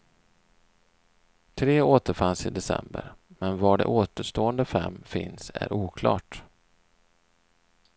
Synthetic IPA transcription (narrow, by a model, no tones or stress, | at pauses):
t̪ʰɾeːoːt̪əɾfansɪd̪ɛsɛ̰mbəɾmɛnvaɖɛ̰ʔoːt̪əʂt̪oːənd̪əfɛmːfɪnsæɾʔuːkʰlɑ̰ːʈ